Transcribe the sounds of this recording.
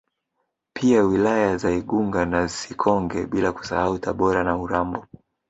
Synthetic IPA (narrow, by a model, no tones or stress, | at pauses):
pʰiawilajazaiɡuŋɡanazisikʰɔŋɡɛɓilaku̥sa̰hautaɓɔɾanauɾambɔ